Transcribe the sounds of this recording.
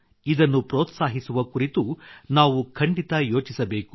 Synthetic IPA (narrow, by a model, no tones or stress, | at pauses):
id̪ɐnːupɾoːt̪saːɦisuʋɐkuɾit̪unaːʋukʰɐɳɖit̪ɐjo̞ːt͡ʃisɐbe̞ːku̥